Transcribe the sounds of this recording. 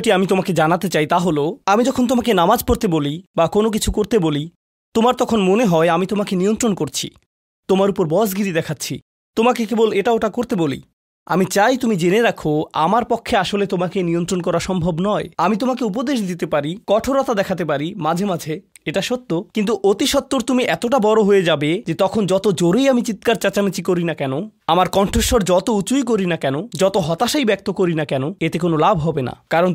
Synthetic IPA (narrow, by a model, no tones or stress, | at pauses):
ʈiamit̪omaked͡ʑanat̪et͡ɕajt̪aɦoloamid͡ʑɔkʰont̪omakenamad͡ʑpoɾt̪ebolibakonokit͡ɕʰukoɾt̪eboli | t̪omaɾt̪ɔkʰonmoneɦɔeamit̪omakeniont̪ɾonkoɾt͡ɕʰḭ | t̪omaɾupoɾbɔsɡiɾid̪ɛkʰatːɕʰḭ | t̪omakekeboleʈaoʈakoɾt̪ebolḭ | a̰mit͡ɕajt̪umid͡ʑeneɾakʰoa̰maɾpɔkʰːeaʃolet̪omakeniont̪ɾonkɔɾaʃɔmbʱobnɔeamit̪̬omakeup̬od̪eʃ̬d̪it̪epaɾikɔʈʰoɾot̪ad̪ɛkʰat̪ep̬aɾimad͡ʑʱemad͡ʑʱe | eʈaʃot̪ːokint̪̬uʔot̪iʃɔt̪ːoɾt̪umiʔɛt̪oʈabɔɾoɦoed͡ʑabed͡ʑet̪ɔkʰond͡ʑɔt̪od͡ʑoɾejamit͡ɕit̪kaɾt͡ɕat͡ɕamit͡ɕikoɾinakɛnoamaɾkɔɳʈʰoʃoɾd͡ʑɔt̪out͡ɕujkoɾinakɛnod͡ʑɔt̪oɦɔt̪aʃajbɛk̚t̪okoɾinakɛnoet̪ek̬onolabʱɦɔbena̰kaɾon